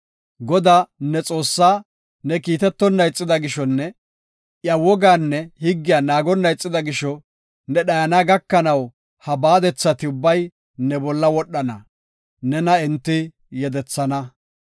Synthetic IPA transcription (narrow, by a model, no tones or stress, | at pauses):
ɡɔd̪aːnɛt͡sʼo̞ːsːaː | nɛkiːt̪ɛt̪ːɔnːɐjt͡sʼːɪd̪ɐɡɪʃɔnːɛ | ʔjɐwɔɡaːnːɛhɪɡːɪjaːnaːɡɔnːɐjt͡sʼːɪd̪ɐɡɪʃɔ | nɛɗɐjɐnaːɡɐkːɐnɐw | hɐbaːd̪ɛt͡sːɐt̪ɪʊbːɐj | nɛbɔlːɐwɔɗːɐnɐ | nɛnɐɛnt̪ːɪ | jɛd̪ɛt͡sːɐnɐ